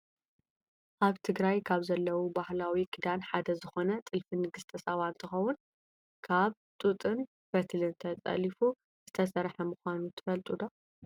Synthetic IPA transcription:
ʔaβt̪ʰɨɡɾajkʰaβzɐlːɐwubahlawikʰɨd̪anħad̪ɐzɨxo̞nɐt̪ʼɨlfinɨɡɨst̪ʰɐsɐβant̪ʰɨxɐwʊn | kʰaβ | t̪ʼut̪ʼɨn | bɐt̪ʰlɨnt̪ʰɐt͡sʼɐ̰lifu | z̥ɨt̪ʰɐsɐɾħɐmɨxʷanut̪ʰɨ̥fɐlt̪ʼud̪o

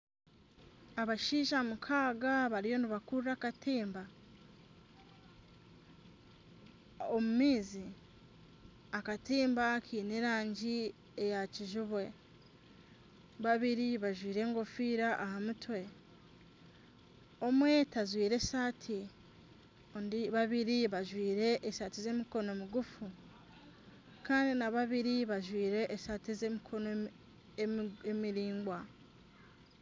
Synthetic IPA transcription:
aβaʃiːʃamukʰaːɡaβaɾijo̞niβakuɾrakatiːmba | omumiːzi | akatiːmbakʰiːneɾaːɲɟi | e̞jaciʒuβwe̞ | βaβiɾiβaʒwiːɾe̞ːŋɡo̞fiːɾaʔahamutwe̞ | o̞mwe̞tazwiːɾe̞saːtʰi | ondiβaβiɾiβaʒwiːɾe̞ʔːsaːtize̞miko̞no̞miɡufu | kaːndinaβaβiɾiβaʒwiːɾe̞ʔːʃatizemikʰo̞no | emiɾiːŋɡwa

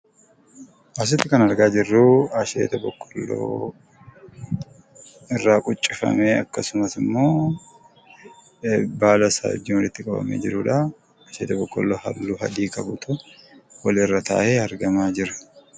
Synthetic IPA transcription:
ʔɐs̬ɪt̪ːɪkɐnɐɾɡaːd͡ʒɪrːuɐʃḛːt̪ɐbɔkʼːɔ̥lːo̰ː | ɪrːaːkʼʊt͡ʃʼːɪfɐ̰meːɐkːɐsʊmɐsɪmːo̞ː | baːlɐsa̰ːɔ̰d͡ʒːɪnwɔlɪt̪ːɪkʼɐbɐ̰mḛːd͡ʒɪɾuːᶑɐ | aʃeːt̪ɐbɔkʼːɔlːo̞ːhɐ̰lːuːɦɐ̰d̪iːkɐbʊt̪ʊwɐlɪrːɐt̪a̰ːʔeːɐɾɡɐmaːd͡ʒɪɾɐ̥

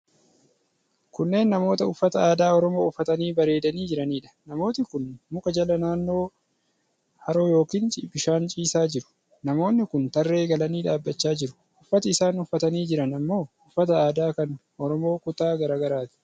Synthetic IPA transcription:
kʊnːe̞ːnːɐmo̞ːt̪ɐʊfːɐt̪ɐaːd̪aːɔɾɔmo̞ːʊfːɐt̪ɐniːbɐɾe̞ːd̪ɐniːd͡ʒɪɾɐniːᶑɐ̥nɐmo̞ːt̪ɪkʊnmʊkʼɐd͡ʒɐlɐnaːnːo̞ː | hɐɾo̞ːjo̞ːkiːnt͡ʃʼiːbɪʃaːnt͡ʃʼiːsaːd͡ʒɪɾʊ̥ | nɐmo̞ːnːɪkʊnt̪ɐrːe̞ːɡɐlɐniːᶑaːbːɐt͡ʃːaːd͡ʒɪɾʊ̥ | ʔʊfːɐt̪ɐɪsaːnʊfːɐt̪ɐniːd͡ʒɪɾɐnɐmːo̞ːʊfːɐt̪ɐaːd̪aːkɐnʔɔɾɔmo̞ːkʊt̪aːɡɐɾaːɡɐɾaːt̪ɪ̥

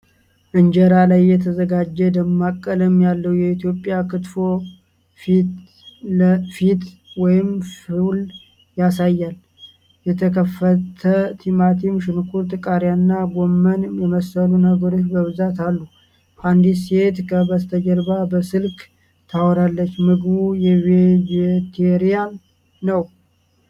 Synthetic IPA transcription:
ʔɨɲd͡ʒəɾalajːɛt̪ʰəzəɡad͡ʒːɛd̪əmːakʼːələmjalːəwjɛit̪ijo̞pʼːjakʰɨt̪fo̞ | fit̪ | əfit̪ | wɔjɪmfil | jasajːal | jɛt̪ʰəkʰəfːət̪ʰət̪ʰimat̪ʰimʃɪnkʰuɾt̪ʼɨkʼaɾjanːaɡomːənjɛməsəlunəɡəɾo̞t͡ʃːbəβɨzat̪alːu | fand̪iset̪kʰəbəst̪ʰəd͡ʒəɾbabəsɨlkʼ | t̪ʰawɔɾalːət͡ʃːmɨɡɨβujɛved͡ʒet̪ʰeɾijan | nəw

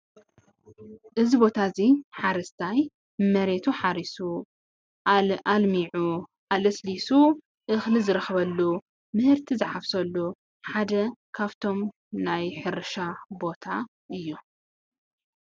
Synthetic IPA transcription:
ʔɨzibo̞t̪ʰaziħaɾɐst̪ʰaj | mɐɾe̞t̪ʰuħaɾisu | almiʕu | ʔalɨslisu | ʔɨxlizɨɾɨxɐβɐlːu | mɨhɨɾt̪ʰizɨħaβsɐlːu | ħad̪ɐkʰaβt̪ʰo̞m | najħɨɾɨʃabo̞t̪ʰa | ʔɨjːu

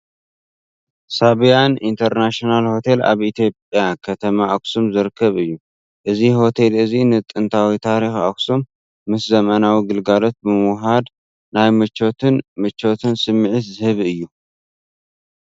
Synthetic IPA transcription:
saβjanint̪ʰɐɾnaʃonalho̞t̪ʰe̞la̰βʔit̪ʰjo̞pʼjakʰɐt̪ʰɐmaʔaksumzɨɾɨkʰːɐβɨjːu | ʔɨziho̞t̪ʰe̞lɨzinɨt̪ʼɨnt̪ʰawit̪ʰaɾixa̰ksumː | ɨszɐmɐnawiɡɨlɡalo̞t̪̚bɨmɨwɦad̪ | najmɨt͡ʃːo̞t̪ʰɨnmɨt͡ʃːo̞t̪ʰɨnsɨmːɨʕɨt̪zɨhɨβɨjːu

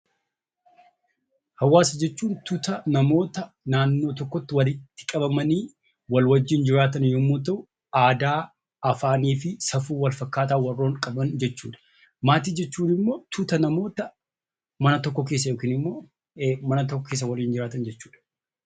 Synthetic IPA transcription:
hɐwːaːsɐd͡ʒɛt͡ʃːuːnt̪ʊt̪ɐnɐmo̞ːt̪ɐ | naːnːoːt̪ɔkːɔt̪ːɪwɐlɪt̪ːɪ̥kʼɐbɐmɐniː | wɐlwɐd͡ʒːɪnd͡ʒɪɾaːt̪ɐnjomːoːt̪ɐʔʊ | aːd̪aː | ɐfaːniːfɪsɐfuːwɐlfɐkːaːt̪aːwɐrːo̞ːŋkʼɐbɐnd͡ʒɛt͡ʃːuːᶑɐ̥ | maːt̪iːd͡ʒɛt͡ʃːuːnɪmːo̞ːt̪ʰʊt̪ɐnɐmo̞ːt̪ɐ | mɐnɐt̪ɔkːɔke̞ːs̬ːɐjoːkiːnɪmːoː | mɐnɐt̪ɔkːɔkeːs̬ːɐwɐliːnd͡ʒɪɾaːt̪ɐnd͡ʒɛt͡ʃːu̥ːᶑɐ̥

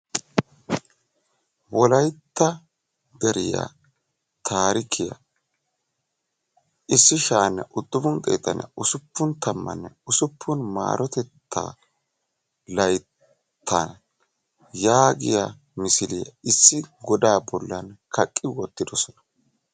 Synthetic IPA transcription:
wɔlɐjt̪ːɐ | d̪ɛɾɪja̰ | t̪ʰaːɾɪkʰɪjɐ̰ | ɪsːɪʃaːnːɛ̰ʔʊd̪̥ːʊmʊnt̪ʼɛ̰jt̪ːɐnːɛ̰ʊsʊpːʊnt̪ɐmːɐ̰nːɛʊsʊpʰːʊnma̰ːɾʔɔt̪ɛt̪ːa̰ː | lɐj | t̪ʰːan | jaːɡɪja | mɪsɪlɪjɐ̰ɪsːɪɡɔd̪aːbɔlːɐnkʰɐkʼːɪwɔt̪ːɪd̪ɔsɔnɐ

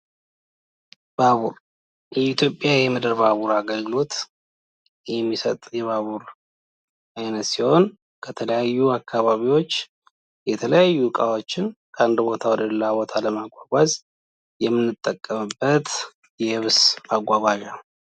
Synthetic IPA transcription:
b̥aβuɾ | jɛit̪ʰjo̞pʼːjajɛməd̪əɾbaβuɾaɡəlɡɨlo̞t̪ | jɛmːisət̪ʼjɛβaβuɾ | ajnət̪siho̞n | kʰət̪ʰələjajːuakʰːaβaβiwo̞t͡ʃː | jɛt̪ʰələjajːukʼawo̞t͡ʃːɪnkʰəand̪bo̞t̪ʰawɔd̪əlːabo̞t̪ʰaləmaɡʷaɡʷaz | jɛmːɨnːɨt̪ʼːəkʼːəmɨbːət̪ | jɛhɨβsmaɡʷaɡʷaʒa

